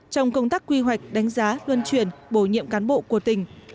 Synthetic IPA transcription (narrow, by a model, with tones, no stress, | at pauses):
t͡ɕɔ˧wŋ͡mkə˧wŋ͡mt̪aː˦˥kːwi˧ɦwa˨˩jk̟̚ɗa˨˦jŋ̟zaː˨˦lwə˧nt͡ɕwi˧˩ənɓo˧˩ɲḭ˧˨əmkaː˨˦nɓo̰˧˨ku˧˩ət̪ï˨˩ŋ̟